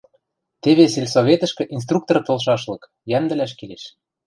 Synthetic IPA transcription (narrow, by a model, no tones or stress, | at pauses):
t̪eβeselʲsoβʲet̪ə̆ʃkɘ̆ʔins̬t̪ruk̚t̪ort̪ɤ̆lʃ̬ɑʃlɤ̆k | jænd̪ə̆læʃ̬kileʃ